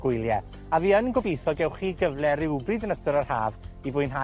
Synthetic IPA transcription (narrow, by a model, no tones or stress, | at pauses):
ɡʊjlˠjɛ | aviːənɡɔbejθɔɡɛwχiːɡəvlˠɛrɪwbrɨdənəstəɾarha̰ːvivʊjnɦa